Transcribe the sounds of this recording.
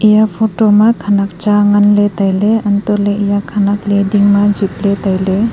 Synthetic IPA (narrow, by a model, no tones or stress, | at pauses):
ijapʰotomakʰanak̚t͡ʃaŋanletajleantɔleijakʰanaklediŋmad͡ʒip̚letajle